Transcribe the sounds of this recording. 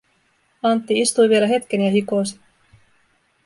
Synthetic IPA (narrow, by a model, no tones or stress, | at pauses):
ɑnt̪ːiist̪ujʋie̞læɦe̞t̪k̟e̞njɑɦikosi̥